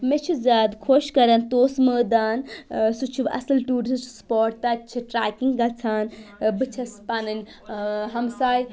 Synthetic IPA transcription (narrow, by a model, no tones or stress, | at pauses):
met͡ʃʰizʲaːd̪kʰoʃkɐɾɐnt̪oːsməːd̪aːnsut͡ʃʰubɐ̰sɨlʈuːɾist͡ʃʰspoːʈt̪ɐt͡ʃʰiʈɾaːkiŋɡɡɐt͡sʰaːnbɨt͡ʃʰɐspanɨnʲ | ɦɐmsaːj